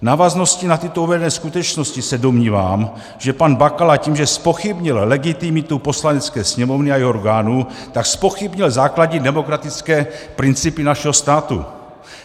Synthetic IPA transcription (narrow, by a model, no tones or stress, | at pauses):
naːvazno̞scinat̪ɪt̪ouvɛdɛnɛːskut̪ɛt͡ʃno̞scisɛdo̞mɲiːva̰ːm | ʒ̥ɛpanbakalaciːmʒɛspo̞xɪbɲɪllɛɡɪt̪ɪmɪt̪upo̞slanɛt͡skɛːsɲɛmo̞vnɪajɛoɾɡaːnuːt̪akspo̞xɪbɲɪlzaːkladɲɛdɛmo̞kɾat̪ɪt͡skɛːpɾɪnt͡sipinaʃɛɦost̪aːt̪ṵ